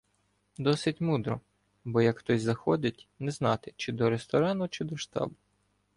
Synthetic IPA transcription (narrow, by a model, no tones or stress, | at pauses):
d̪ɔsɪtʲmud̪ɾɔ | bɔjɐkxt̪ɔsʲzɐxɔd̪ʲɪtʲnɛznɑt̪ɪt͡ʃɪd̪ɔɾest̪ɔɾɑnʊt͡ʃɪd̪ɔʃt̪ɑ̰bʊ